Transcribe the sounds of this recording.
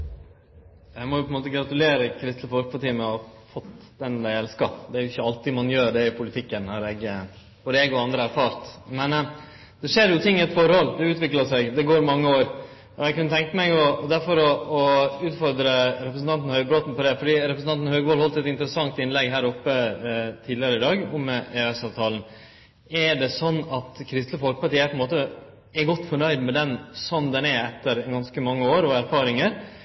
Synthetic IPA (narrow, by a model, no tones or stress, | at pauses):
æɪmɔjʊpʰɔɛnmoːt̪əɡɾɑt̪ʉleːɾəkʰɾɪst̪ləfɔɾk̚pʰɑʈiːəmɛɔfɔt̪ːd̪ɛnd̪æɪɛlskɑd̪ɛæɾjʊɪçːəɑlt̪ɪmɑnjøːɾɖ̪ɛɪpʰʊlɪt̪ʰɪkːənhɑɾɛɡ | fɔd̪ɛɡɔɑnd̪ɾəæɾfɑːɾt̪mɛn | d̪̥ɛʂeːɾjʊt̪ʰɪŋːɪɛt̪fɔɾhɔld̪ɛʉːt̪ʋɪkləsɛɡd̪ɛɡoːɾmɑŋːəoːɾ | ɾɛɡkʉnət̪ʰɛŋk̪əmɛɪɡɔd̪æɾfɔɾɔɔʉːt̪fɔɾd̪ɾəɾɛpɾəsn̩t̪ɑnt̪n̩hœʏbɾoːt̪n̩pɔd̪ɛfɔɖiːɾɛpɾəsn̩ɑnt̪n̩høɡʋɔːlhɔlt̪ɛt̪ɪnt̪əɾəsɑŋt̪ɪnlɛɡɦæːɾɔpːət̪ʰiːd̪ɪəɾəɪd̪ɑːɡʊmːɛeɛsɑːʋt̪ʰɑːln̩ | ɛɖɛsɔnːɑt̪kʰɾɪst̪ləfɔlkə̥pɑɾʈiːæpʰɔɛnmoːt̪ə | ɛɡɔt̪ːfɔɳœʏd̪mɛd̪ɛnsɔmd̪ɛnɛɛt̪ːəɾɡɑnskəmɑŋːəoːɾɔæɾfɑːɾɪŋəɾ